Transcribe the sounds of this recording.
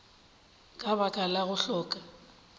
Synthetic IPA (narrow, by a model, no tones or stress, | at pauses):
kʼaβakʼalaɣʊɬɔːkʼa